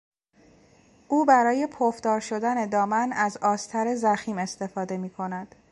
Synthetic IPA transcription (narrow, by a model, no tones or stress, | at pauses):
ʔuːbæɾɒːje̞pʰofd̪ɒːɾʃo̞d̪æne̞d̪ɒːmænæzɒːst̪ʰæɾe̞zæxiːme̞st̪e̞fɒːd̪e̞miːkʰo̞næd̪̥